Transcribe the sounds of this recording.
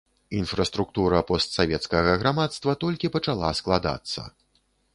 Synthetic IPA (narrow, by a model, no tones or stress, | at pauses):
infɾɐst̪ɾuk̚t̪uɾɐpɔst̪savʲɛt̪skɐɣɐɣɾamat̪st̪vɐt̪ɔlʲkʲipɐt͡ʂalˠasklˠad̪a̰t̪sːɐ̰